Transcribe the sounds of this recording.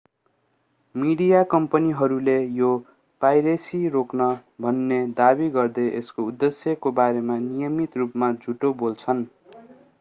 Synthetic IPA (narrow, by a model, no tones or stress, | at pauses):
miɽijakʌmpʌniɦʌɾulejo | pajɾesiɾoknʌbʱʌnːed̪abiɡʌrd̪eʔeskoud̪ːesjʌkobaɾemanijʌmit̪rupmad͡zʱuʈobolt͡sʰʌn